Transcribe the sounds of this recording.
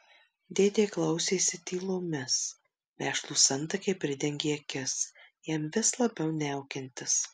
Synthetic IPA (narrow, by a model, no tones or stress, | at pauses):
d̪ʲeːd̪ʲeːklˠɐʊsʲeːsʲɪt̪ʲiːlˠoːmʲɪs | mʲæːʃlˠuːsɐnt̪ɐkʲɐɪpʲɾʲɪd̪ʲɛŋʲɡʲeːɐkʲɪsjɛmʋʲɪslˠɐbʲɛʊnʲɛʊkʲɪnʲt̪ʲɪs